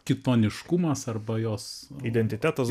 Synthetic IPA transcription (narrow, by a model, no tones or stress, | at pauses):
kʲɪt̪oːnʲɪʃkʊmɐsɐrbɐjoːsid̪ʲɛnʲt̪ʲɪt̪ʲæːt̪ɐs